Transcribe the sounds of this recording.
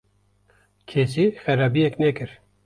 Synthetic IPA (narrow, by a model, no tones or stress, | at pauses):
kʰes̬iːxɛɾaːbijɛknɛkɨɾ